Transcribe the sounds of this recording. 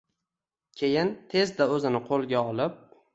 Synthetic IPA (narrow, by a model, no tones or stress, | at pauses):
kʲʰe̞jɪnt̪ʰe̞zd̪aɵzɪnɪqʰolˠɡʲaɒlɪp̚